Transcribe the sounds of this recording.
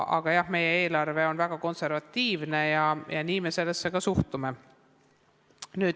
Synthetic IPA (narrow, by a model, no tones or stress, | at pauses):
ʔɑ̰ɡ̥ɑjɑhme̞jee̞ːlɑrve̞o̞nvæɡ̥ɑko̞nse̞ɾvɑt̪ʲːiːvne̞jɑjɑniːmese̞lːesːe̞kɑsuht̪ume̞ | nyːd̪